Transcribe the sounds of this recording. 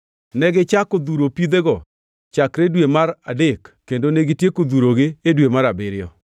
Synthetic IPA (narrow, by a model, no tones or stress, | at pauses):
nɛɡɪt͡ʃakod̪uɾopid̪eɡɔ | t͡ʃakɾedwemaɾadɪkːendoneɡɪtjekod̪uɾoɡɪedwemaɾabɪɾɪɔ̰